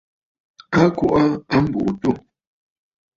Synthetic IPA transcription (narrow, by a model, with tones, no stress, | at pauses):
a˦ku˦˨ʔa˦a˦m̩˦bṵ˨ʔtu˦˨